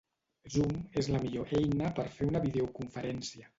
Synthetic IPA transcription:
zumezləmiʎoʔɛjnəpəɾfeunəβiðeukuɱfəɾɛnsiə

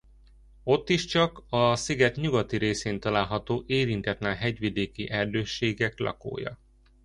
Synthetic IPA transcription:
o̞t̪ːiʃt͡ʃɒkɒsiɡɛt̪ɲuɡɒt̪iɾeːseːnt̪ɒlaːlɦɒt̪oːʔeːɾint̪ɛt̪naːlɦɛɟʋid̪eːkiʔɛrd̪øːʃːeːɡɛklɒ̰ko̰ːjɒ̰

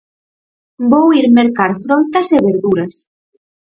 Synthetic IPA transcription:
bowiɾmeɾkaɾfɾɔnt̪ɐseβeɾðuɾɐs

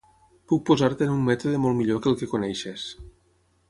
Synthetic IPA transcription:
puk̚pozaɾt̪eːnummɛt̪oðemolˠmiʎokelˠkekonɛjʃes

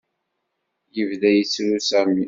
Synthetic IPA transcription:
jəvðæjət͡sːɾusæmi

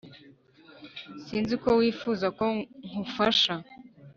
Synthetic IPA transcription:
siːnziko̞wiːfuzako̞ŋ̥ufaʃa

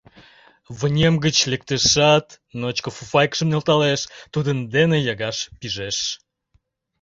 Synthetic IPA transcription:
βənʲemɡət͡ɕlek̚t̪eʃɑt̪ | not͡ɕkofufɑjkʃəmnelt̪ɑleʃt̪ud̪ənd̪enejɑɣɑʃpiʒeʃ

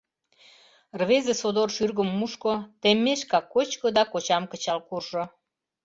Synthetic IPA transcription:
rβezĕsod̪orʃyrɣə̆mːuʃkot̪emːeʃkɑkːot͡ɕkod̪ɑkot͡ɕɑmkət͡ɕɑlkurʒo

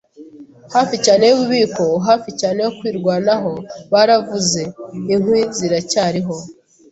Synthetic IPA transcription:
haːficaːne̞joβuβiːko̞ɦaːficaːne̞jokwiːɾɡwaːnaɦo̞βaːɾavuze̞iŋ̥wiːziɾacaːɾiɦo̞

